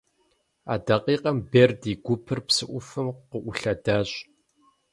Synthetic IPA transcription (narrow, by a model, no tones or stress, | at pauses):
a̰ːdɐqʼiːqɐmbeːrdiːɡʷʊpʰɨrpsɨʔʷʊfɨmqəʔʷʊɬɐdaːɕʼ